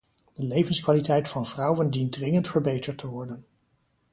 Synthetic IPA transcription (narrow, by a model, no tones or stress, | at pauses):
d̥əlejvənskʋaːlitɛjtfɑnvrɑwəndint̚drɪŋəntfəɹbejtəɹtʰəʋɔɹdən